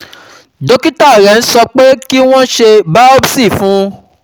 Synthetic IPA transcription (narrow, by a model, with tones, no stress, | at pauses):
do˦ki˦ta˦o˨ɾɛ˨n̩˦sɔ˧k͡pe˦ki˦w̃ɔ̃˦ʃe˧ba˦o˦bsi˦˨fũ˨˦